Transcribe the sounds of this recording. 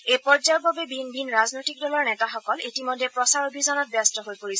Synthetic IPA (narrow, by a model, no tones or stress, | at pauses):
ejpɔɹzababɛbʱinbʱinɹaznojtik̚dɔlɔɹnɛtaxɔkɔlitimodʱːɛpɹɔsaɹobʱizɔnɔt̚bastɔɦojpoɹisɛ